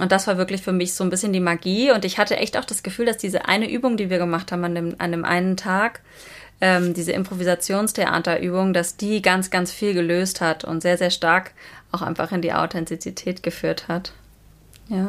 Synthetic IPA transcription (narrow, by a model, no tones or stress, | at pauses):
ʔʊntd̥asv̥aːɐvɪɐklɪçfyːɐmɪçz̥oːnbɪsçəndiːmaɡiːʊntɪçhatəʔɛ̰çta̰ʊxd̥asɡ̥əfyːldasd̥iːzə̰ʔa̰ɪnəʔyːbʊŋdiːviːɐɡəmaχthaːbm̩andeːmʔa̰ndeːmʔa̰ɪnəntʰaːk | ʔɛːmdiːzəʔɪ̰mpʁ̥ovizat͡sjoːnstʰeʔa̰ːtɐʔyːbʊŋdasd̥iːɡant͡sɡ̥ant͡sfiːlɡəløːsthatʰʊ̰ntz̥eːɐzeːɐʃtaɐkʔaʊxʔaɪnfaχɪndḭːʔa̰ʊtʰɛntit͡sitʰɛːtɡ̥əfyːɐthat | jaː